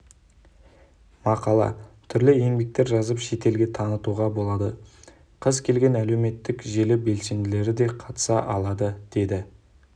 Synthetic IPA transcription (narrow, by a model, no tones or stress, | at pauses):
mɑqɑlˠɑ̰t̪ʰʏɾlɪejmbe̞k̚t̪e̞ɾʒɑzəpʃe̞t̪e̞lɡʲe̞t̪ʰɑnət̪uʁɑbo̞lˠɑd̪ə | qʰəzkʲʰe̞lɡʲe̞næle̞wme̞t̪ːɪkʒe̞lɪbe̞lse̞nd̪ɪle̞ɾɪd̪e̞qʰɑt̪ə̥sɑʔɑlˠɑd̪əd̪̥e̞d̪ɪ